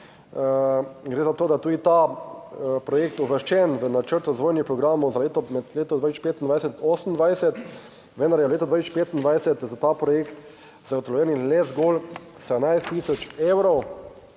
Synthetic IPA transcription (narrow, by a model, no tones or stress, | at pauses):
ɡɾeːzat̪oːd̪at̪uːd̪it̪a | pɾɔjekt̪uʋəʃt͡ʃɛnʋənat͡ʃəɾt̪ɾazʋoːjnipɾɔɡɾaːmɔwzaleːt̪ɔmɛd̪leːt̪ɔd̪ʋaːt͡ʃpeːt̪ind̪ʋajsɛt̪osən̩d̪ʋajsɛt̪ | ʋɛnd̪aɾjɛleːt̪ɔd̪ʋaj̪st͡ʃpeːt̪ind̪ʋajsɛt̪zat̪aːpɾɔjeːkt̪ | zaɡɔt̪ɔlɔjɛːnilɛzɡol | sɛd̪əmnajst̪ːiːsɔt͡ʃeːwɾɔw